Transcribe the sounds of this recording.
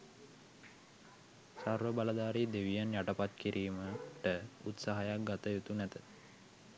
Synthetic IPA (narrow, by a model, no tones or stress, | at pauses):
sarʋəbaləd̪aːɾiːd̪eʋijanjaʈəpat̪kiɾʔiːməʈəṵt̪saɦajak̚ɡat̪əjut̪unæt̪ə